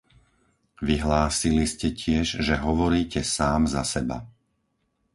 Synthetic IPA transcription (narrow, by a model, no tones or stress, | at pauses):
ʋiɦlaːsiliscɛcʰɪɛʒʒɛɦɔʋɔɾiːcɛsaːmzasɛba̰